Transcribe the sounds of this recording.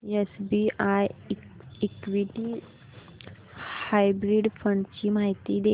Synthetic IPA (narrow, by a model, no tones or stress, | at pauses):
esbiʔaj | ikʋiʈi | hajbɾiɖfəɳɖt͡ɕimaɦit̪id̪e